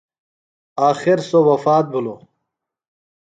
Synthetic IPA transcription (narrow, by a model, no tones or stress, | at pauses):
aːxiɾsowɐfaːt̪̚bʱulo